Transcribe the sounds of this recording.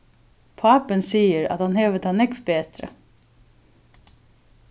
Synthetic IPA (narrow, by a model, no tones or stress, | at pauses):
pʰɑːpənsiːəɾa̰t̪hɑnhɛːʋət̪ʰɑːnɛkʋbeːt̪ɾə̰